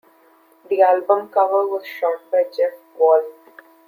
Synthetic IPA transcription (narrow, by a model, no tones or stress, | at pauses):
d̪iælbə̃mkʌʋəɾʋɔzʃɔːʈ̚baɪd͡ʒɛfkɔːl